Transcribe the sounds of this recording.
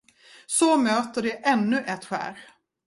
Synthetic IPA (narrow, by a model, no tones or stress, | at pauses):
sɔmøːt̪əɖɛʔɛnːɵʔɛt̪ɧæ̰ːɾ